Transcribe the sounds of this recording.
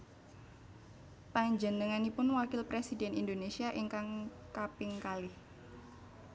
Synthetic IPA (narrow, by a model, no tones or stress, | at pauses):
paɲd͡ʒənəŋanipʊnwakɪlpɾesidɛnindonesiaʔiŋkaŋkapɪŋkalɪh